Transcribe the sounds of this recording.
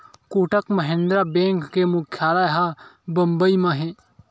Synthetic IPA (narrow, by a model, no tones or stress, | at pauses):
koːʈəkməɦẽnd̪ɾaːbẽːŋkːeːmʊkʰjaːlaːɦaːbəmbəimãɦẽː